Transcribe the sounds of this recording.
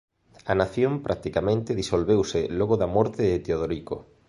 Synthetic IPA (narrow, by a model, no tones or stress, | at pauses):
ɐnaθjompɾʔak̚t̪ikamẽnt̪ɪðisolβewsɪloɣoðamɔɾt̪eːt̪eoðoɾiko̰